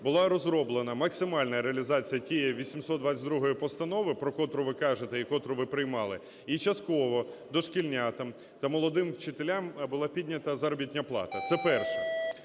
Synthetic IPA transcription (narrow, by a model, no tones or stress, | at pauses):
bʊlˠɑɾɔzɾɔblˠenɐmɐksɪmɑlʲnɐɾeɐlʲizɑt͡sʲijɐtʲijɛʋʲisʲimsɔt̪d̪ʋat͡sʲɐtʲd̪ɾuɦɔjipɔst̪ɐnɔʋɪpɾɔkɔt̪ɾʊʋɪkɑʒet̪ɛikɔt̪ɾʊʋɪpɾɪjmɑlˠɪ | it͡ʃɐst̪̚kɔʋɔd̪ɔʃkʲilʲnʲat̪ɐm | t̪ɐmɔlˠɔd̪ɪmwt͡ʃɪt̪elʲambʊlˠɑpʲidʲnʲɐt̪ɐzɐɾɔbʲit̚ʲnʲɐplˠɑ̰t̪ɐt̪sɛpɛrʃɛ